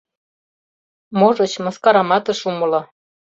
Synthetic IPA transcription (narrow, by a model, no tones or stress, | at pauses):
moʒɤ̆t͡ɕmɤ̆skɑɾɑmɑt̪ɤ̆ʃumɤlɑ